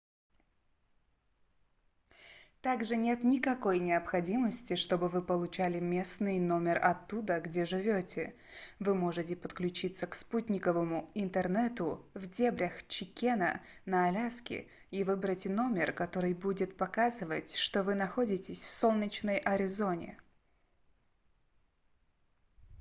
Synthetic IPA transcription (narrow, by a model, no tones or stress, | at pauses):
t̪aɡʐɨnʲe̞t̪nʲɪkɐko̞jnʲɪɐpxɐdʲiməsʲtʲɪʂt̪o̞bɨvɨpəlˠʊt͡ɕælʲɪmʲe̞snɨjno̞mʲɪrɐ̰t̪ːud̪əɡdʲe̞ʐɨvʲo̞tʲɪ | vɨmo̞ʐɨtʲɪpət̪klʲʉt͡ɕit̪səksputʲnʲɪkəvəmʊɪnt̪ərnɛt̪ʊvdʲebɾʲəxt͡ɕɪkʲenə̰nəɐlʲaskʲɪ̰ | ivɨbɾətʲno̞mʲɪrkɐt̪o̞ɾɨjbudʲɪt̪̚pɐkazɨvətʲʂt̪ovɨnɐxo̞dʲɪtʲɪsʲfso̞lˠnʲɪt͡ɕnəjʔɐɾʲɪzo̞nʲɪ̰